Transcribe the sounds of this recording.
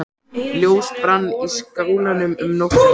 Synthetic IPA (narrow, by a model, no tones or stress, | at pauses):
ljoːwspɾanːiskawlanʏmʏmnɔk